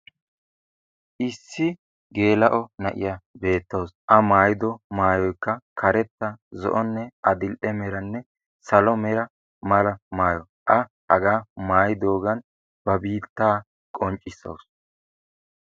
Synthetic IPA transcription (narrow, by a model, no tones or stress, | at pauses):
ʔɪsːɪ | ɡe̞ːlɐʔɔnɐʔɪ̰jɐbe̞ːt̪ːɐwsʔɐmaːjɪd̪ɔmaːjɔjkːɐkʰɐɾɛt̪ːɐzɔ̰ʔɔnːɛʔɐd̪ɪlʔɛmɛɾɐnːɛ | sɐlɔmɛɾɐ | mɐlɐmaːjɔ | ʔɐ | hɐ̰ɡaːmaːjd̪o̞ːɡɐn | b̥ɐbiːt̪ːaː | kʼɔnt͡ʃʼːɪsːɐ̰ws